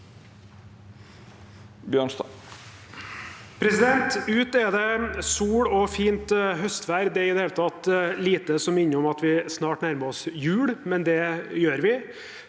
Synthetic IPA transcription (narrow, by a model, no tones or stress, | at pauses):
bjøːɳst̪ɑ | pʰɾɛsɪd̪ɛnt̪ʉːt̪ɛd̪ɛsuːɽɔfiːnt̪ɦœst̪ʋæːɾd̪ɛɪd̪ɛheːlət̪ʰɑt̪liːt̪əsɔmɪnːəɔmɑt̪ʋɪsnɑːʈnæɾməɾɔsjʉːɽmɛnd̪ɛjøːɾʋɪ